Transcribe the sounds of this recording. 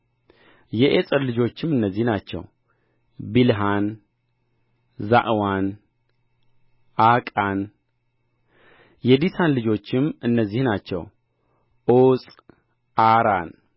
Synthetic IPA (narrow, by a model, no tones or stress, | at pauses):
jɛʔesʼəɾlɨd͡ʒo̞t͡ʃːɪmːɨnːəzːihnat͡ʃːɛ̰w | bilɦan | zaʔwan | ʔakʼan | jɛd̪isʰanlɨd͡ʒo̞t͡ʃːɪmɨnːəzːihnat͡ʃːɛ̰w | ʔosʼ | ʔaɾan